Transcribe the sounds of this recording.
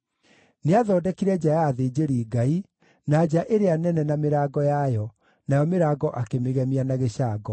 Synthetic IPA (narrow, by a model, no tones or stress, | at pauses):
neaðɔːdɛkiɾɛd͡ʑajaːðeːd͡ʑeɾiːɡai | nad͡ʑaʔeɾeanɛnɛnameɾaːɡɔjajɔ | najɔmeɾaːɡɔʔakemeɣɛmianaɣeɕaːɡɔ